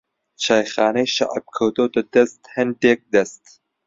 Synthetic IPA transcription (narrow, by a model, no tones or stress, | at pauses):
ʃɑːjxaːnɛjʃa̰ʔb̚kʰɐwt̪oːt̪ɨd̪ɛst̪hɛnd̪eːk̚d̪ɛst̪